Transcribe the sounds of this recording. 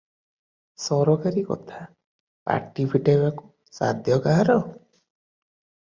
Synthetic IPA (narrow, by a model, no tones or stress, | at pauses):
sɔɾɔkaɾikɔ̰t̪ʰa | pa̰ʈibʰʱiʈebaku̥ | sa̰d̪ʱjɔkaɦaɾɔ